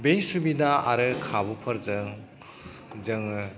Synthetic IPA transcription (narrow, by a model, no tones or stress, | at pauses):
bejsubidaaɾɯkʰabupʰɯɾzɯŋ | zɯŋ